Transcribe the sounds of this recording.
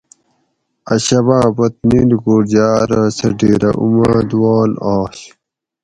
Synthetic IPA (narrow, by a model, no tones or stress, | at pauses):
ɐɕɐβãːbɐt̪̚niːlɡoːɾd͡ʑaːɾasɐɖeːɾɐʔṵmãːd̪woːnaːɕ